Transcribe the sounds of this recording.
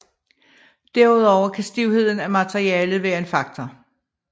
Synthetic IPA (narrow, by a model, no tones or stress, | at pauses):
d̥æɐuð̞ˠɒʊɐkʰæsd̥iʊhe̝ð̞̰ˠn̩æmæt͡sʰeʁiɛːləð̩ˠʋæːɐe̝nfɑ̈ɡ̥̚t͡sʰɒ